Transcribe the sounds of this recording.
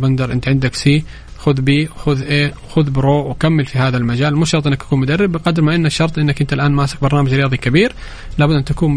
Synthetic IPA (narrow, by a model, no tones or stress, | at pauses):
bɪnd̪ɑɾˤʔɪnt̪ʕɪnd̪ɪksiː | xʊðbiːwxʊðʔeːwxʊðbɪɾoːʔwkamːɪlfihaːðalmad͡ʒaːlmuːʃɑɾˤt̪ˤɪnːakt̪ḁkuːnmʊd̪arːɪbːɪqɑd̪ɾmaʔɪnːaʃːɑɾˤt̪ˤʔɪnːakʔɪnt̪alʔaːnmaːsɪq̚bɑɾˤnaːmad͡ʒɾɪjɑːðˤikabiːɾ | laːbʊd̪ʔɪnt̪akuːn